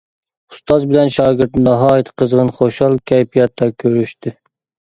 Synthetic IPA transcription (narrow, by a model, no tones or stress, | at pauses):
u̥st̪ɑzbɪlɛnʃɑːɡʲɪɾt̪nɑɦɑːjit̪ʰqʰəzʁənχoʃɑlˠkʲʰɛjpʰijɑt̪ʰːɑkʲʰøɾyʃt̪ɪ